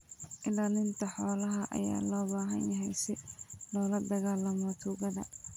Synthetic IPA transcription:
ʔɪlaːnɪnt̪ʰɐħɔːlɐɦɐʔɐ̰ja̰ːlɔːbaːɦɐ̰njɐɦɛjsɪlɔːlɐd̪ɐɣaːlɐmɔt̪ʰuːɣɐðɐ̰

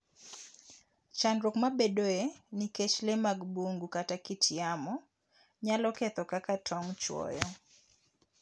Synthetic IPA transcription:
t͡ʃandɾokmabedoeniket͡ʃlemaɡboŋɡukatakɪtʰɪamɔ | ɲalɔkɛt̪ɔkakatʰɔŋt͡ʃwɔ̰jɔ

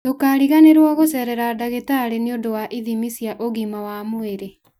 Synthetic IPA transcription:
tokaːɾiɣaneɾwɔɣosɛɾɛɾadaɣetaɾeneondowaʔiðimisjaʔoɣimawamoeɾe

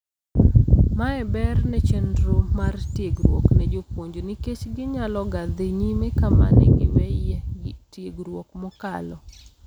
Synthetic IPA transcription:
maɛbɛrnɛt͡ʃendɾomartjeɡɾwo̰knɛd͡ʒopwoɲd͡ʒoniket͡ʃɡɪɲalɔɡad̪ɪɲimekama̰nɛ̰ɡɪwɛɛɡtjeɡɾwokmɔkalɔ

